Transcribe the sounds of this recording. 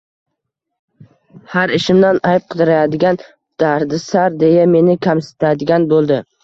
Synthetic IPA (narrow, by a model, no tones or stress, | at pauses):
haɾɪʃɪmd̪anajp̚qʰɨd̪ɪɾajad̪ɪɡʲan | d̪̥aɾd̪ɪsaɾd̪e̞jame̞nɪkʲʰamsɪ̥t̪ʰad̪ɪɡʲanbolˠd̪ɪ